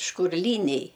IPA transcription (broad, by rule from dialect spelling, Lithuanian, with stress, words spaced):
ʃkʊrʲˈlʲiːnʲɛɪ